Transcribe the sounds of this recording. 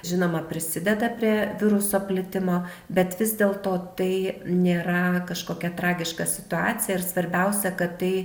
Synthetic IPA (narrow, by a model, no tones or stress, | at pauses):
ʒʲɪnoːmɐpʲɾʲɪsʲɪd̪ʲɛd̪ɐpʲɾʲiɛʋʲɪɾʊsoːpʲlʲɪt̪ʲɪmoː | bʲɛt̪ʋʲɪzd̪ʲeːlˠt̪oːt̪ɐɪnʲeːɾɐkɐʃkoːkʲɛt̪ɾɑːɡʲɪʃkɐsʲɪ̥t̪ʊɑːt͡s̪ʲɪjɛɪɾsʋɐɾʲbʲɛʊsʲɛkɐt̪tɐɪ